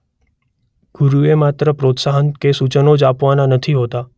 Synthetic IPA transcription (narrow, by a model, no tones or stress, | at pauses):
ɡ̥uɾuemat̪ɾəpɾot̪saɦənkesut͡ʃənod͡ʒapʋananət̪ʰiɦot̪a